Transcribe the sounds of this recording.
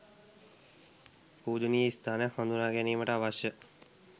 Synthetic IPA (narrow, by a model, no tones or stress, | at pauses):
puːd̪uniːist̪aːnəfɐnd̪unaːɡeniːməʈəaʋaɕjə